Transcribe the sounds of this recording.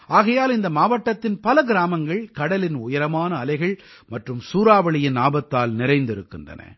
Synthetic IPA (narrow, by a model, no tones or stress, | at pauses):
ʔaːɣɐjaːlɪnd̪ɐmaːʋɐʈːɐt̪ːɪnpɐlɐɡɪɾaːmɐŋɡɐɭkɐɽɐlɪnʊjɐɾɐmaːnɐːlɐɪɣɐɭ | mɐʈrɯmsuːɾaːʋɐɭɪjɪnaːbɐt̪ːaːlnɪrɐɪnd̪ɪɾɯkːɪndrɐ̰nɐ̰